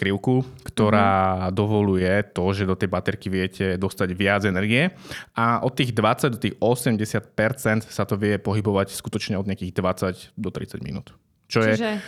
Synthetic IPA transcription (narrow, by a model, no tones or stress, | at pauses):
kɾiʊkukt̪ɔɾaːd̪ɔʋɔlujɛt̪ɔʒɛd̪ɔt̪ɛjbat̪ɛɾkiʋɪɛcɛd̪ɔst̪aɟʋɪad͡zɛnɛɾɡiɛʔaʔɔt̪ːiːɣd̪ʋat͡saɟd̪ɔt̪iːɣɔsɛmɟɛsɪat̪̚pɛɾt͡sɛnt̪sat̪ɔʋɪɛpɔɦibɔʋacskut̪ɔt͡ʃɲɛɔd̪ɲɪakiːɣd̪ʋat͡sacd̪ɔt̪ɾḭt͡saɟmḭnṵːt̪ | t͡ʃɔjɛ